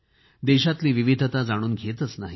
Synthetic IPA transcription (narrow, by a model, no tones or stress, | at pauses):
d̪eɕat̪liːʋiʋid̪ʱət̪ad͡zaɽ̃uːnɡʱet̪ət͡snaɦi